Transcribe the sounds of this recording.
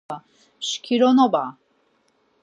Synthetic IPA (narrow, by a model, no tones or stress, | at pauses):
a | ʃkʰiɾɔnɔba